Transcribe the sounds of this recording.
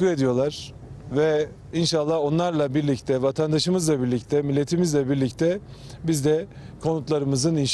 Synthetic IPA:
ue̞d̪ijo̞lˠaɾ̥ | vɛ | inʃalˠːao̞nlˠaɾlˠabiɾlʲict̪ʰɛvat̪ʰand̪aʃɯmɯzlˠabiɾlʲic̚t̪ʰɛmilʲːe̞t̪ʰimizlʲɛbiɾlʲict̪ʰɛ | bizd̪ɛ | kʰo̞nut̪lˠaɾɯmɯzɯninʃ

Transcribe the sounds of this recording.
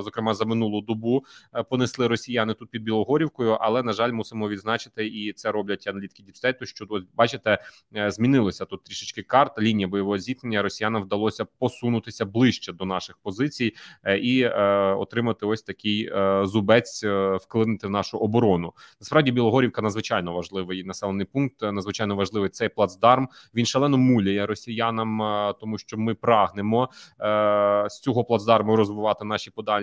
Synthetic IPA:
zɔkɾɪmɑzɐmɪnulˠʊd̪ɔbupɔnɪslˠɪɾɔsʲijɑnɪt̪ut̪̚pʲid̪bʲilˠɔɦɔɾʲiwkɔjʊʔɐlˠɛnɐʒɑlʲmusɪmɔʋʲid̪znɑt͡ʃɪ̥t̪ɪit̪sɛɾɔblʲɐtʲɐnɐlʲit̪ʲkʲidʲipsʲt̪ɛt̪ʊʃt͡ʃɔɔsʲbɑt͡ʃɪt̪ɛ | zʲmʲinɪlˠɐsʲɐt̪ut̪ːɾʲiʃɪt͡ʃkɪkɑrt̪ɐlʲinʲijɐbɔjɔʋɔɦɔzʲit̪nenʲːɐɾɔsʲijanɐmwd̪ɐlˠɔsʲɐpɔsunʊt̪ɪsʲɐblˠɪʃt͡ʃɛd̪ɔnɑʃɪxpɔzɪt͡sʲijiɔ̰t̪ɾɪmɐt̪ɪɔsʲt̪ɐkʲɪjzʊbɛt͡sʲwklˠɪnɪt̪ɪwnɑʃʊʔɔbɔɾɔnʊnɐspɾɑwdʲibʲilˠɔɦɔɾʲiwkɐnɐd̪zʋɪt͡ʃɑjnɔʋɐʒlˠɪʋɪjnɐsɛlˠenɪjpunk̚t̪nɐd̪zʋɪt͡ʃɑjnɔʋɐʒlˠɪʋɪjt̪sɛjplˠɐd̪zd̪ɑrmʋʲinʃɛlˠɛnɔmulʲɐjɛɾɔsʲijanɐmt̪ɔmuʃt͡ʃɔmɪpɾɑɦnɪmɔ | sʲt͡sʲɔɦɔplˠɐd̪zd̪ɑrmɐɾɔzʋɪʋɑt̪ɪnɑʃipɔd̪ɑlʲ

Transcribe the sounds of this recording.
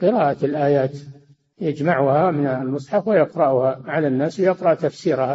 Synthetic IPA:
qɨɾˤɑːʔaɪlʔaːjaːt̪ | jad͡ʒmaʕʊhamɪnlmʊsˤħɑfwɪjɑqɾˤɑʔʊhaʕalanːaːswjɑqɾˤɑʔt̪afsiːɾha

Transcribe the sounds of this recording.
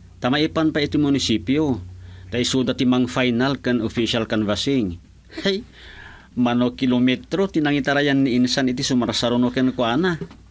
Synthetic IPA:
t̪amaepanpait̪imunisipiod̪aisuod̪at̪imaŋfajnalkanofisialkanvasiŋ | haj | manokilomet̪ɾot̪inaŋit̪aɾajanːiːnsanit̪isumaɾasaɾonokenkoana

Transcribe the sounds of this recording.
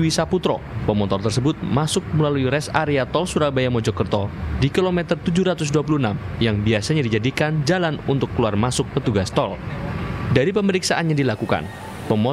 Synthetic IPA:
wisaput̪ɾɔ̰ | pəmɔt̪ɔrt̪ərsəbʊt̪̚masʊk̚məlaluiɾɛsaɾeat̪ɔlsuɾabajamɔd͡ʒɔkərt̪ɔdikilomɛt̪ərt̪ud͡ʒuɾat̪ʊs̬duap̬ulunamjaŋbiasaɲadid͡ʒadikand͡ʒalanunt̪ʊkːəluarmasʊk̚pət̪uɡast̪ɔl | daɾipəməɾiksaʔanɲadilakuka̰n | pəmɔ

